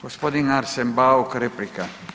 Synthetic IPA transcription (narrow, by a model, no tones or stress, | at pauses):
ɡ̥ɔspɔd̪iŋaɾsembaokɾeplika